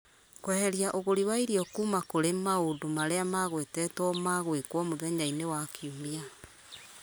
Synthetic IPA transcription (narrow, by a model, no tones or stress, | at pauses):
kwɛhɛɾiaʔoɣoɾiwaiɾiɔkuːmakoɾemaodomaɾeamaɣwetɛtwɔmaɣwekwɔmoðɛɲainewakʰiumia